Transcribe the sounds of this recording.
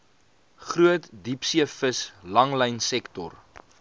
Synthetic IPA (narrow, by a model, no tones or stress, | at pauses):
χruətdipsiəfəslɐŋləjnsɛktɔ̰r